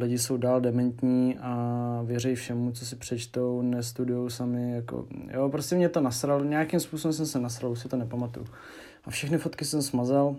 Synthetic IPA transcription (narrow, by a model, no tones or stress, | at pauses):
lɪɟɪsowdaːldɛmɛnt̪ɲiːʔavjɛrɛjfʃɛmut͡so̞sɪpr̝̥ɛt͡ʃt̪ownɛst̪udʊjowsamɪjako̰jʔoːpɾoscʲɛmɲɛt̪o̞nasɾalɲɛjakimspusobɛms̬ɛmsɛnasɾalusɪt̪onɛpamat̪ṵju | ʔafʃɛxnɪfot̪kɪsɛmsmazal